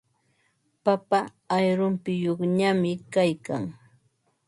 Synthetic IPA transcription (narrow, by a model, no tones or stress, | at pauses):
papaː | jɾʊmpɪjoχɲamɪkajka̰ŋ